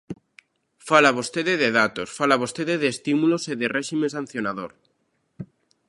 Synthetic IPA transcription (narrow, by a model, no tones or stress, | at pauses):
falaβost̪eðeðeðat̪osfalaβ̞ost̪eðeðeːst̪imuloseðereʃimẽsãn̟θjonaðoɾ